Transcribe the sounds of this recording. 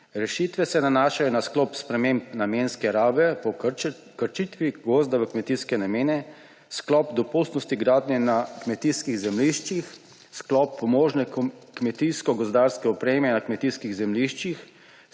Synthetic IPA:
ɾɛʃit̪ʋɛsɛnanaːʃajɔnasklɔːpspɾɛmempnameːnskɛɾaːʋɛpɔ | kəɾt͡ʃit̪ʋiɡozd̪aʋəkmɛt̪iskɛnameːnɛ | sklɔːpd̪ɔpust̪nɔst̪iɡɾaːd̪nɛnakmɛt̪iskiɣzɛmliʃt͡ʃix | sklɔpːɔmoːʒnɛkkmɛt̪iskɔɡɔzd̪aɾskɛɔpɾeːmɛnakmɛt̪iskiɣzɛmliʃt͡ʃix

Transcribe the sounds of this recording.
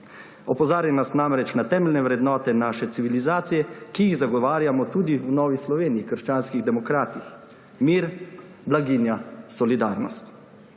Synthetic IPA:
ɔpɔzaːɾjanasnamɾɛt͡ʃnat̪ɛːmɛlnɛʋɾɛd̪nɔːt̪ɛnaːʃɛt̪siʋilizaːt̪sijɛkijiɣzaɡɔʋaːɾjamɔt̪uːd̪iwnɔːʋislɔʋeːnijikəɾʃt͡ʃaːnskiɣd̪ɛmɔkɾaːt̪ix | miːɾ | blaɡinjasɔlid̪aːɾnɔst̪

